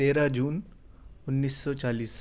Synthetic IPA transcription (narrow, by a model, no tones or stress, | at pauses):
eːɾad͡ʒuːn | ʊnːiːsːɔːt͡ʃaːliːs